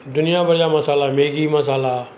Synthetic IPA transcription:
d̪ʊnɪjãːbəɽɪjaːməsaːlaːmeːɡiːməsaːlaː

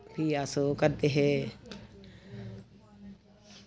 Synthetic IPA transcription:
pʰiːaːsokəɾd̪eːɦɛː

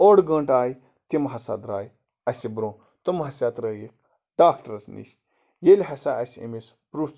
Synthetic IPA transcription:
oɽɡɐɳʈaːj | t̪imɦɐsa̰d̪ɾaːj | ɐsibɾõː | t̪umɦɐsʲjat̪ɾəːjik̚ | ɖ̥aːkʈɐɾɐsnḭʃ | jelʲɦɐsaʔɐsʲɐ̰mispɾuːst͡s

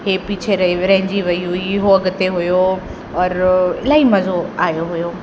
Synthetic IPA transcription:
ɦeːpiːt͡ɕʰeɾɐɾɐɦɪ̃ɲd͡ʑiʋɐijuɪɦoɐɡʊt̪eɦʊjo | ɔːɾɪ̰laːimɐzoaːjoɦʊjoː

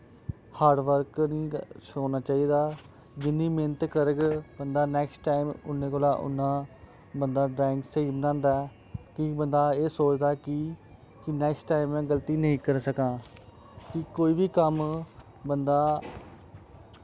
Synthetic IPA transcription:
haːɾɖʋəɾknĩːʃoːnaːt͡ʃaːiːd̪aː | d͡ʒɪnːĩːmeːnət̪kəɾəɡbənd̪aːnɛːksʈʈaːimʊnːẽːkoːlaːʔʊ̰nːãː | bənd̪aːɖɾɛːɪ̃ŋksəiːbnãːnd̪aɛ | kɪbənd̪aːeːsoːt͡ʃd̪aːkɪ | kɪnɛːksʈʈaːɪmɛ̃ːɡəlt̪iːnəĩːkəɾsəkãː | kɪkoːiːʋiːkəm | bənd̪aː

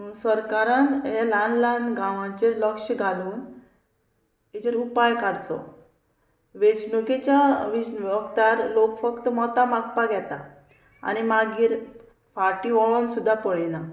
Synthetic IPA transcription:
səɾkaɾanelanlanɡʱãʋãt͡ɕeləkʂəɡʱaluːn | it͡ɕeɾupajkaɽt͡s̪ɔ̰ | ʋesnuket͡ɕaʋisɔkt̪aɾlokfəkt̪əmɔt̪amak̚paɡʱɛt̪a | a̰nimaɡiːɾ | faʈiʋɔɭonsud̪ʱːapəɭena

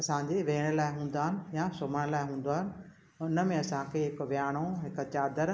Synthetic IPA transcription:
ɐsãd͡ʑeʋeːɽ̃əlaːɪɦũːn̆d̪aːɦɪnɪ̆jasoːm̤əɽ̃laːɪɦũːn̆d̪aːɦɪnɪ̆ | ʊnə̆mẽɐsãkʰeɦɪkʋjaːɽ̃oɦɪkt͡ɕaːd̪əɾ

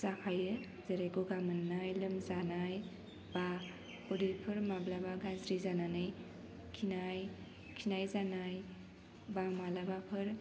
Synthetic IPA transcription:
zakʰajɯ | zeɾajɡoɡamɯnːajlɯmzanaj | ba | pɔdɯjpʰɯɾmablabaɡanzɾizananɯj | kʰinaj | kʰinajzanaj | bamalabapʰɯɾ

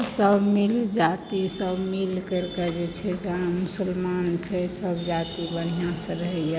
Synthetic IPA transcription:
səbmild͡ʒat̪isəbmilkəɾkəd͡ʒet͡ʃʰɛd͡ʒeɦãmusəlmant͡ʃʰɛsəbd͡ʒat̪ibəɽ̤̃ijãsə̃ɾəɦɛjə

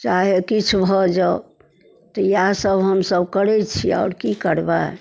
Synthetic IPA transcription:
t͡ʃaɦekit͡ʃʰbʱɔd͡ʒa | t̪ɔjasəbɦəmsəbkəɾɛt͡ʃʰia̰ːɾkikəɾba

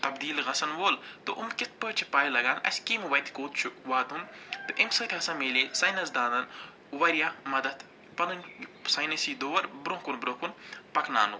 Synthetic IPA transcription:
t̪ɐbd̪iːlɣɐsɐnʋoːlt̪oʔʊmkɪt̪̚pət͡ʃʰi̥paːilɐɡaːnʔɐ̰sʲkimʋɐjt̪ʲkoːt̪t͡ʃʰuʋaːt̪unt̪uʔɪmsɐt̪ʰʲɐsɐ̃ːmeːleːsɐjnɐzd̪ãːnd̪ɐn | ʋɐɾijaːmɐd̪ɐd̪ | pɐnɐnʲsaːjnɐsiːd̪oːʋɐɾbɾõːkunbɾõːkunpɐkna̰ːnu

